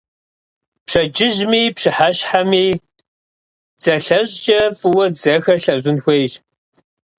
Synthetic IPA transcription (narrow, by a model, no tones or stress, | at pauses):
pʂɐd͡ʒɪʑmiːpɕɨħaɕħamiː | d͡z̥ɐɬɐʑd͡ʒʼɐfɨwɐd͡zɐxɐɬɐʑʷɪnxʷejɕ